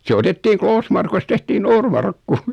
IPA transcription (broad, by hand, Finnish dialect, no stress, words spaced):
se otetːiːŋ kloːsmɑrkust tehtiː noːrmɑrkːu